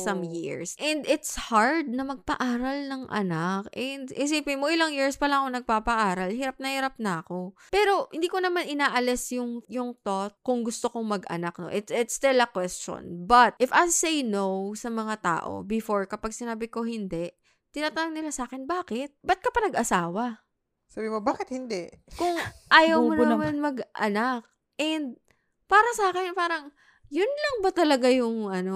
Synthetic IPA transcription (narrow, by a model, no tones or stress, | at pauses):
sɐmjiɹsʔɛnd̪ɪt̪shaɹd̪̚nɐmɐɡ̚pɐʔaːɾɐlnɐŋʔɐ̰nakʔɛnd̪ʔɪs̬ipimoʔɪlaŋjiɹspɐlaŋɐkonɐɡ̚paːpɐʔaːɾɐlhiːɾap̚nɐhiɾap̚nɐɐko̞ | pɛːɾo̞hɪnd̪iːko̞nɐmanʔɪnaːʔɐlɪsjʊŋjʊŋt̪ot̪̚kʊŋɡʊst̪okoŋmɐɡʔɐ̰nak̚no̰ʔɪt̪ɪt̪st̪ɪlɐkwɛst͡ʃo̰nbɐt̪̚ʔɪfajsejnowsɐmɐŋat̪a̰ːʔo̞̰bɪfoɹkɐpaɡ̚sɪnaːbɪko̞hɪnd̪ɛ | t̪ɪnaːt̪anoɡnɪlasaːkɛnbaːkɛt̪̚bɐt̪̚kɐpɐnɐɡʔɐsaːwɐ | sabɪmobaːkɪt̪̚hɪnd̪ɛʔkʊŋʔaːjɐwmonɐɐmanmɐɡʔɐ̰nak̚ | ʔɛnd̪̚ | paːɾɐsaːkɛnpaːɾɐŋ | jʊnlɐŋbɐt̪ɐlɐɡajʊŋʔɐno̞